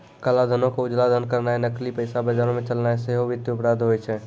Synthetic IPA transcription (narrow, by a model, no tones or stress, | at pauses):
kəlad̪ʱənokeud͡ʒlad̪ʱənkəɾnajnəklipəjsabəd͡ʒaɾõmet͡ʃəlnajseɦobʱit̪jupɾad̪ʱɦojt͡ʃʰɛ